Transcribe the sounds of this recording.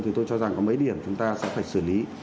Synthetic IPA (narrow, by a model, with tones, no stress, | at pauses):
t̪ʰi˨˩t̪o˧jt͡ɕɔ˧za˨˩ŋkɔ˨˦mə˨˦jɗi˨˩əmt͡ɕʊ˨˦ŋ͡mt̪aː˧sɛ̰˧˥faː˧˩jsɨ˧˩li˨˦